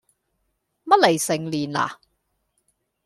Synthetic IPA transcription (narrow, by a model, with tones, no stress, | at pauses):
mɐ˥t̚le˨˩jsɪ˨˩ŋliː˨˩nla̰ː˨